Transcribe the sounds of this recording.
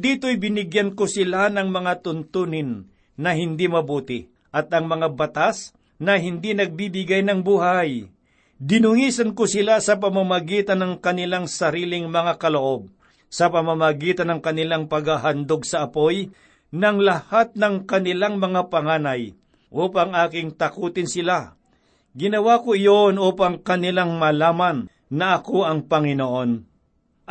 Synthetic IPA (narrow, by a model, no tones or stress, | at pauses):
d̪iːt̪ojbɪnɪɡjankʊsɪlanɐŋmɐŋat̪ʊnt̪uːnɪnː | ɐɦɪnd̪imɐbuːt̪ɪ | ʔɐt̪ɐŋmɐŋabɐt̪as | nɐɦɪnd̪inɐɡ̚bibɪɡajnɐŋbuːɦaj | d̪ɪnʊŋiːsɐnkʊsɪlasɐpɐmamɐɡiːt̪ɐnɐŋkɐnɪlaŋsɐɾiːlɪŋmɐŋakɐloʔo̞b̚ | sɐpɐmamɐɡiːt̪ɐnɐŋkɐnɪlaŋpɐɡaɦand̪oɡsɐʔɐpoj | nɐŋlɐhat̪̚nɐŋkɐnɪlaŋmɐŋapɐŋaːnɐj | ʔuːpɐŋʔaːkɪŋt̪ɐkuːt̪ɪnsɪla | ɡɪnɐwakoɪjonʔuːpɐŋkɐnɪlaŋmɐlaːmɐnː | ɐʔɐkoʔɐŋpɐŋɪnoʔo̞n